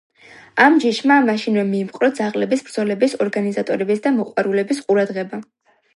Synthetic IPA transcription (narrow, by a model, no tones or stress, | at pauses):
amd͡ʒiʃmamaʃinvɛmiːmqʼɾɔd̪zaʁlɛbisbɾd̪zɔlɛbisɔɾɡanizat̪ʼɔɾɛbisd̪amɔqʼwaɾulɛbisqʼuɾad̪ʁɛba